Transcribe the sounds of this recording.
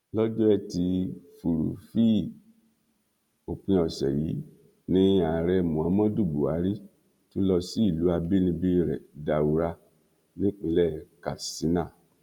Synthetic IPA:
lɔ˦d͡ʒɔ˦ɛ˧ti˧fu˨ɾṵ˨fi˦ | o˨pĩ˧ɔ˨sɛ̰˨ji˨˦ | nĩ˦a˨ɾɛ˧mũ˨ã˨˦mã˦du˦˨bu˨a˨˦ɾi˦ | tu˦lɔ˧si˨˦i˦˨lu˨˦a˧bi˦nĩ˧bi˦ɾɛ̰˨da˨u˨˦ɾa˧ | nĩ˦k͡pĩ˧lɛ˦˨ka˨si˨˦nã˦˨

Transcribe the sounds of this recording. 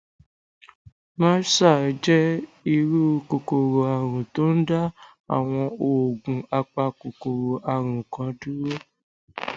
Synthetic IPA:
mãː˦sa˦˨d͡ʒɛ˦i˧ɾu˦ko˨ko˨ɾo˨a˨ɾ̃ũ˨to˨˦n̩˦da˦ | a̰˨w̃ɔ̃˧o˨ɡũ˨a˧k͡pa˧ko˨ko˨ɾo˨ʔa˧ɾ̃ũ˨kã˧du˦ɾo˦

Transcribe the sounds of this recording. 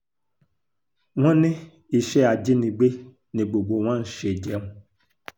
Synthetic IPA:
wɔ̃˦nẽ˦ | i˨ʃɛ˦a˨d͡ʒi˦nĩ˨ɡ͡be˦ | nĩ˨ɡ͡bo˨ɡ͡bo˨w̃ã˦n̩˨ʃe˨d͡ʒɛ˨˦mũ˦

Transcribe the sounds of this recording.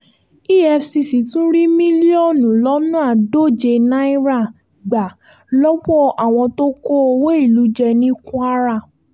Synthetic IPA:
i˦ɛ˧fsi˧si˨tũ˦ɾi˦mĩ˦li˦o˦˨nũ˨lɔ˨˦nũ˦a˦˨do˦˨d͡ʒe˧nã˦i˦ɾa˦˨ | ɡ͡ba˨ | lɔ˦wɔ˦ʔa˨w̃ɔ̃˧to˦ko˦o˧we˦i˦˨lu˨˦d͡ʒɛ˧nĩ˦kũ˦a˦ɾa˦˨

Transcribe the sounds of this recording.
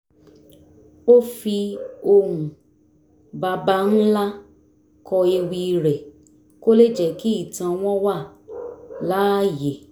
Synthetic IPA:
o˦fi˧o˧hũ˨ | ba˧ba˧n̩˦la˦ | kɔ˧e˧wi˧ɾɛ˨ | ko˦le˦d͡ʒɛ˨ki˦i˦˨tã˧w̃ɔ̃˦wa˦˨ | la˨˦˨je˨

